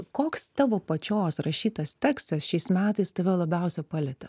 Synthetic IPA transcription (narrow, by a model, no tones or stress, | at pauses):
koːkst̪ɑːʋoːpɐt͡ʃʲoːsɾɐʃʲiːt̪ɐst̪ʲæːkst̪ɐsʃʲɛɪsmʲæːt̪ɐɪst̪ɐʋʲɛlˠɐbʲɛʊsʲɛpɑlʲɛt̪ʲɐ